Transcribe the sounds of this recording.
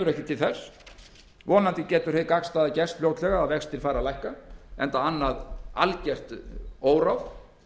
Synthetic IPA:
ʏɾɛhcɪt̪ʰɪlθɛs | vɔːnant̪ɪcɛːt̪ʏɾ̥hejkakst̪aːðacɛst̪fljoːwt̪lɛɣaːðvɛkst̪ʰːɪlfaːɾalajhkaɛ̰nt̪aanːaða̰lcɛr̥t̪oːwɾawf

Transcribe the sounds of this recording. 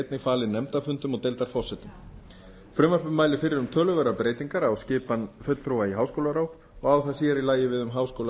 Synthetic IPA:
t̪nɪɣfaːlɪnɛmt̪afʏnt̪ʏmɔɣt̪ejlt̪aɾ̥fɔrsɛt̪ʏm | fɾʏmːvar̥pʏmːaːjlɪfɪɾɪɾʏmt̪ʰœːlʏɣœɾapɾeːjt̪iŋkaɾawscɪːpanfœt̪l̥t̪ʰɾowvaiɦawskowlaɾawt̪ | ɔɣawθasjɛɾilaːjɪvɪðʏmɦaːwskoːwla

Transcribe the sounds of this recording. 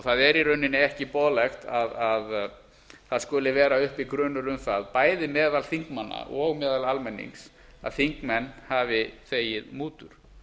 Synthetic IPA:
ɔθaðɛɾiɾœɥnːɪnɪɛhcɪpɔːðlɛxt̪aðað | θaðskʏːlɪvɛːɾaʏhpikɾœːnʏɾʏmθaðpaːjðɪmɛːðalθiŋkmanːa̰ʔɔɣmɛːðalalmɛnːḭŋs | a̰ðθiŋkmɛnːhavɪθeːjɪðmuːt̪ʏɾ̥

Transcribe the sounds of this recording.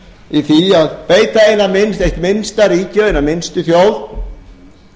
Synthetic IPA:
iθiaðpeːjt̪aejnamɪnst̪ejht̪mɪnst̪aɾiːcʏejnamɪnst̪ʏθjowð

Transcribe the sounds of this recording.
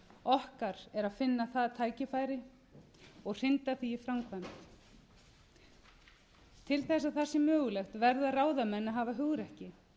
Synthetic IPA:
ɔhkaɾɛɾaðfɪnːaθaðt̪ʰaːjcɪfaːjɾɪ | ɔɣr̥ɪnt̪aθiːfɾamkʰvam | t̪ʰɪlθɛs̬aðθasːɛmːœːɣʏlɛxt̪vɛɾðaraːwðamɛnːaɦaːvaɦʏɣɾɛhcɪ

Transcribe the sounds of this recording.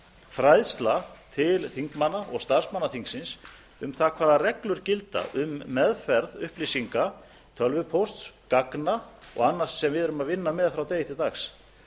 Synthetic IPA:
fɾajðst̪lat̪ʰɪlθiŋkmanaʔɔɣst̪ar̥smanːaθiŋksɪns | ʏmθakʰvaːðarɛklʏɾcɪlt̪a̰ʔʏmːɛðfɛɾðʏ̰hplisiŋka | t̪ʰœlvʏpʰowst̪skaknaɔ̰ɣanːḁsːɛmvɪðɛɾʏmaðvɪnːamɛðfɾawt̪eːjɪht̪ɪt̪axs

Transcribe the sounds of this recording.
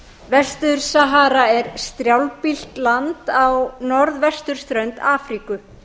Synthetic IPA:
vɛst̪ʏɾ̥saɦaːɾaɛɾ̥st̪ɾjawlpil̥t̪lant̪awnɔɾðvɛst̪ʏɾ̥st̪ɾœɥnt̪aːfɾikʏ

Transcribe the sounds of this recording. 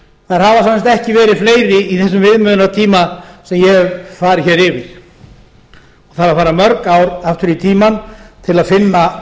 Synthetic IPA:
θaðɾ̥havasansast̪ɛhcɪvɛːɾɪðfleːjɾɪiθɛs̬ʏmvɪðmʏːnat̪ʰiːmasɛmjɛfaːɾɪçɛːɾɪvɪð | ɔɣθaɾaðfaːɾamœɾkawɾaft̪ʏɾit̪ʰiːmant̪ʰɪlaðfɪnːa

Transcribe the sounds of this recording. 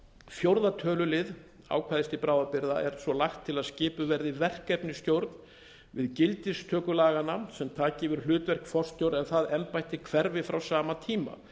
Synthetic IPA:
fjowɾðat̪ʰœːlʏlɪð | a̰ːwkʰvaːðɪst̪ɪpɾaːwðapɪɾða̰ʔɛɾsvɔlajxt̪ʰːɪlaðscɪːpʏvɛɾðɪvɛr̥kɛpnɪst̪jowɾt̪n | vɪðcɪlt̪ɪst̪ʰœːkʏlaːɣanasɛmt̪ʰaːcɪvʏɾ̥lʏːt̪vɛr̥kfɔr̥st̪jowɾðɛnθaðɛmpajht̪ɪkʰvɛɾvɪfɾawsaːmat̪ʰiːma̰

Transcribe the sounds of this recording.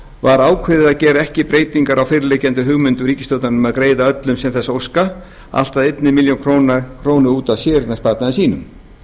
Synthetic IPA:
vaɾaːwkʰvɪðɪðacɛːɾɛhcɪpɾeːjt̪iŋkaɾawfɪːɾɪlejcɛnt̪ʏɦʏɣmʏnt̪ʏɾiːcɪst̪owt̪nanʏmaðkɾeːjðaœt̪lʏmsɛmθɛsːowska | a̰l̥t̪aðet̪nɪmiljowŋkʰɾonkʰɾoːwnʏuːt̪aðsjɛːɾɪnaspaːt̪naðɪsiːnʏ̰m

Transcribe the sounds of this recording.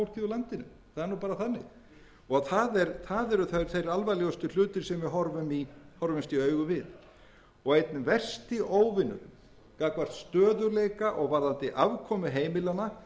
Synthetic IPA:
ɾ̥ciðʏlant̪ɪnʏ̰ | θaðɛɾnuːpaːɾaθanːɪ̰ɣ | ɔɣθaðɛɾθaðɛɾʏθaðɛɾ̥θejɾalvajlɛɣst̪ʏl̥ʏːt̪ɪɾ̥sɛmvɪɦɔɾvʏmihɔɾvɪmst̪iœːɥɣʏvɪð | ɔɣejt̪nɪvɛr̥st̪iʔoːwvɪnːʏ̰ | kaːkvar̥t̪st̪œːðʏɾlejkaʔɔɣvaɾðant̪ɪʔavkʰɔːmʏɦeːjmɪlana

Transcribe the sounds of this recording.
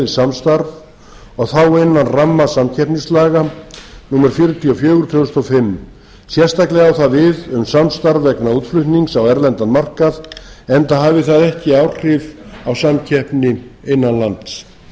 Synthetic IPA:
ðɪsamst̪aɾv | ɔɣθawɪnːanramːasamcʰɛhpnislaːɣanuːmɛɾfjʏɾʏt̪ʰiɔfjœːɣʏɾ̥t̪ʰʏʏst̪ɔfɪm | sjɛr̥st̪aklɛɣawθaðvɪðʏmsamst̪aɾvɛknauːt̪flʏht̪niŋksawɛɾlɛnt̪anmar̥kaðɛnt̪aɦaːvɪθaðɛhcɪaːwr̥ɪvawsamcʰɛhpnɪɪjnːanlant̪s

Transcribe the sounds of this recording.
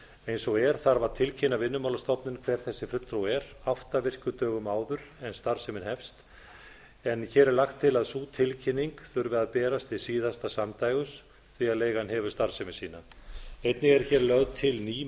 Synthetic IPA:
ejnsɔɣɛɾ̥θaɾvaɾt̪ʰɪlcʰɪnːavɪnːʏmawlast̪ɔpnɪnkʰv̥ɛːɾ̥θɛsːɪfʏt̪ːɾawɛɾaht̪avɪr̥cʏt̪œːɣʏmaːwðʏɾɛnst̪aɾ̥sɛmɪnhɛfst̪ | ɛnçɛːɾɛɾlaxt̪ʰːɪlaðsut̪ʰɪlcʰɪnːiŋkθʏɾvɪaðpɛːɾast̪ɪsiːðast̪asamt̪aːjɣʏs | θviaðleːjɣanɦɛvʏ̥ɾst̪aɾ̥sɛmɪsiːnaejt̪nɪɣɛɾçɛɾlœɣðt̪ʰɪlniː

